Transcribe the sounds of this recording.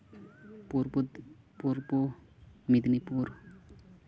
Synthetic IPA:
puɾpud̪ | puɾpu | mid̪nipuɾ

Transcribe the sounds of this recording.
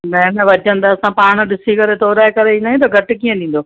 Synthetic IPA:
mɛ̃nəʋɐd͡ʑʱə̃n̆d̪aɐsãpaːɽ̃ʊ̆ɗɪsikɐɾet̪oːɾaːekɐɾeĩːnd̪aɦjũt̪̬ɐɡʱɐʈɪkiːə̃ɗ̪ĩːn̆d̪oː

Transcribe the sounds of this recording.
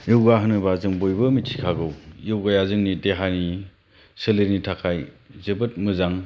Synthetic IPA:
jɯwɡaɦɯnɯbazɯŋbojbɯmitʰi̥kʰaɡɯwjowɡajazɯŋnideɦani | sɯleɾnitʰakʰaj | zebɯt̚mɯzaŋ

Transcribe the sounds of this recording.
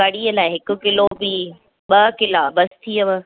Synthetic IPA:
kaɽiəlaːɪɦɪkʊ̆kɪlobi | ɓɐkɪlabɐst̪ʰiəʋə

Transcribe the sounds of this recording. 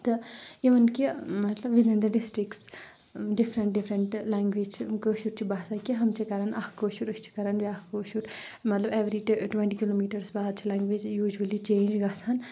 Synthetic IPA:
t̪ɨiʋɐnkimɐt̪lɐbʋid̪ind̪ɐɖisʈɾikʈs | ɖifʰɾɐɳʈɖifʰɾɐɳʈlaːŋɡʋiːd͡ʒt͡ʃʰikəːʃuɾt͡ʃʰibaːsakiɦɐmt͡ʃʰikɐɾanʔɐkʰkoːʃuɾɐst͡ʃʰi̥kɐɾanbiakkoːʃuɾ | mɐt̪lɐbeʋɾiʈʈwẽɳʈikiloːmiːʈɐɾsbaːd̪̚t͡ʃʰilaːŋɡʋeːd͡ʒjuːd͡ʒuɐlit͡ʃẽːnd͡ʒɡɐsʰaːn

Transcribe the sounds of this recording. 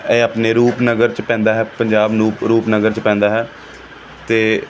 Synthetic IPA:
eːaːpneːɾuːpnəɡəɾt͡ʃpɛ̃ːnd̪aːɦɛːpəɲd͡ʒaːbnũːɾuːpnəɡəɾt͡ʃpɛ̃ːnd̪aːɦɛː | t̪eː

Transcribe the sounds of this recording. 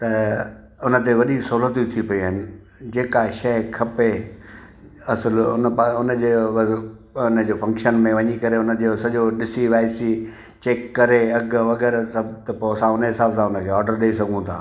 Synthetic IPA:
t̪ɐ | ʊnə̆t̪̬eʋɐɗisoɦlət̪jũt̪ʰipɐiaɦɪnɪ̆ | d͡ʑeːkaʃɐkʰɐpe | ɐsəlʊ̰nəpaʊnəd͡ʑeː | ʊnəd͡ʑeːfɐ̃ŋkʃənmẽʋɐɲikɐɾeʊnə̆d͡ʑesɐʄoɗɪsiʋaːɪsi | t͡ɕeːkːɐɾeɐɡʋɐɡɛːɾsɐbt̪ɐpoɐsãʊnəɦɪsaːbsãʊnə̆kʰeːɔːɾɖəɾɗeisɐɡʱũt̪ʰa̰ː

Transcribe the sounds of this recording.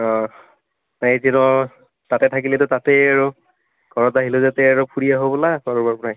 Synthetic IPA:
ɔ | azinɔ | tatɛtʰakilɛtʊtatɛaɹu | kɔɹɔtaɦilozatɛaɹupʰuɹijaɦobɔlapaɹɔbaɹpɹaj

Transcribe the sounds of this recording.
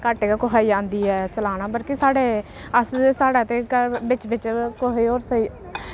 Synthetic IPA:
kaʈeːkaːkʊɦaːiːd͡ʒãːnd̪iːɛːt͡ʃəlaːnaːbəlkisaːɽeː | əssaːɽaːt̪eːkəbɪt͡ʃbɪt͡ʃkoɦiːoːɾsəiː

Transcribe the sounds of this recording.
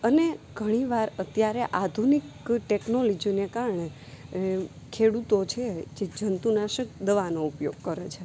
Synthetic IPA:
əneɡʱəɽ̃iʋaɾət̪jaɾeʔad̪ʱunikʈeknolɔd͡ʒinekaɾɳe | kʰeɽut̪ot͡ʃʰed͡ʒed͡ʒənt̪unaʃək̚d̪əʋanoupjoɡ̚kəɾet͡ʃʰe

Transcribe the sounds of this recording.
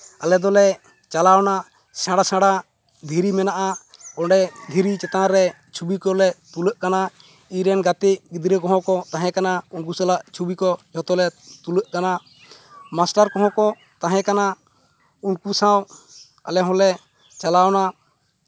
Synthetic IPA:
alɛd̪ɔlɛ | t͡ʃalawna | sãɽasãɽa | d̪ʱiɾimɛnaʔakɔɳɖɛd̪ʱiɾit͡ʃɛt̪ãɾɛ | t͡ʃʰubikɔlɛt̪uləʔkana | iɾɛnɡat̪ɛʔɡid̪ɾɛkɔɦɔ̃kɔt̪aɦɛ̃kanaunk̬usalaʔt͡ʃʰubikɔd͡ʒɔt̪ɔlɛt̪uləʔkana | masʈaɾkɔɦɔ̃kɔ | t̪aɦɛ̃kana | unkusãw | a̰lɛɦɔ̃lɛ | t͡ʃalawna

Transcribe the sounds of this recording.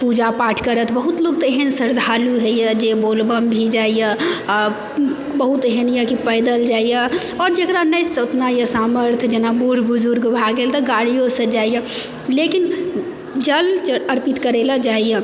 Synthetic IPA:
pud͡ʒapaːʈʰkəɾət̪bəɦut̪loːɡt̪eɦənsəɾd̪ʱaːluɦɛjəd͡ʒeboːlbəmbʱid͡ʒaːijə | bəɦut̪eɦənjəkipəɪd̪əld͡ʒaːijɛɔːɾd͡ʒekɾanəjsʊt̪najəsaːməɾt̪ʰd͡ʒenabuɾbʊzʊɾɡbʱaɡelt̪ɐɡaːɽijõsəd͡ʒaːijə | lekin | d͡ʒəlt͡ʃəɾpɪt̪kəɾelad͡ʒaːijə

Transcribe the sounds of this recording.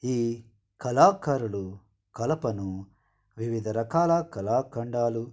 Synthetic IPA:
iː | kɐlaːkɐɾuɭu | kɐlɐpɐnu | ʋiʋid̪ʱɐɾɐkaːlɐkɐlaːkɐɳɖaːlu

